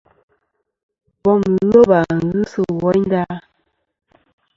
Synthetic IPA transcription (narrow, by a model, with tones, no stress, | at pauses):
bɔ˦˨m˨ɣo˦ba˨ŋ˦ɣɨ˦sə˨wɔ˦ɲn˦da˦